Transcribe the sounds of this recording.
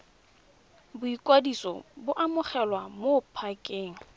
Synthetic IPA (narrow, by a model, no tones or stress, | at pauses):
bʊikʼwadisɔ̰bʊʔamʊχɛlwamopʰakʼeːŋ̩